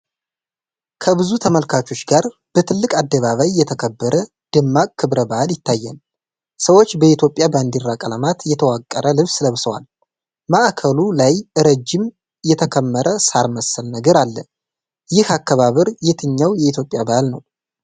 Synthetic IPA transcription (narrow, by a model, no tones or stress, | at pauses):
kʰəβɨzut̪ʰəməlkʰat͡ʃo̞t͡ʃːɡaɾ | b̥ət̪ʰɨlːɨkʼad̪ːəβaβajːɛt̪ʰəkʰəbːəɾʔə | d̪̥ɨmːakʼkʰɨβɾəbaʔaljɪt̪ʰːajːɛ̰n | səwot͡ʃːbəit̪ʰjo̞pʼjaband̪iɾːakʼələmat̪jɛt̪ʰəwakʼːəɾʔəlɨβsləβsəwa̰l | maʔkʰəlulajʔɨɾəd͡ʒːɪm | jɛt̪ʰəkʰəmːəɾəsaɾməsːəlnəɡəɾalːə̰ | jɪhakʰːaβaβəɾjet̪ʰɨɲːawjɛit̪jo̞pʼɪjabahalnə̰w